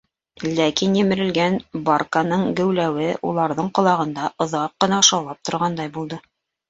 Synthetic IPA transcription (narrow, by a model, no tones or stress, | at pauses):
lækinjɘ̆mɘ̆ɾɘ̆lɡænbarkanɤɴɡɘ̆wlæwɘṵlˠɑɾðɤɴqŏlˠɑʁɤ̆nd̪ɑʔŏðɑqːɤ̆nɑŏʃɑwlˠɑp̚t̪ŏɾʁɑnd̪ɑjbulˠd̪ɤ